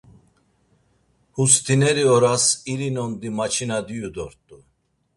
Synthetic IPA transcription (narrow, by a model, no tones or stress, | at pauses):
hust̪ʰinɛɾiɔɾasiɾinɔnd̪imat͡ʃʰinad̪ijud̪ɔɾt̪ʼu